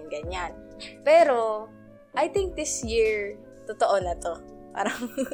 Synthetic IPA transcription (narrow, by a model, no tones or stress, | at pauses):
ŋɡɐɲanpɛːɾo | ʔɐjt̪ɪŋk̚d̪ɪsjiɹ | t̪ot̪oʔonɐt̪o̞ | pa̰ːɾɐŋ